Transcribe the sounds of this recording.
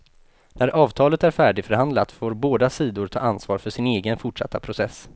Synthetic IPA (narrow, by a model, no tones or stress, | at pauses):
næɾʔɑːvt̪ʰɑːlət̪æɾfæːɖɪfœɾɦand̪lat̪foːɾboːd̪asiːd̪ʊɾʈ̪ʰɑ̰ːansvɑːɾfœʂɪneːɡənfʊʈʂa̰t̪ːapʰɾʊsɛs